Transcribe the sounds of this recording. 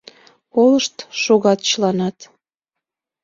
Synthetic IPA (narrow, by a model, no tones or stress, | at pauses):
oləʃt̪ʃoɣɑt̪t͡ɕəlɑnɑt̪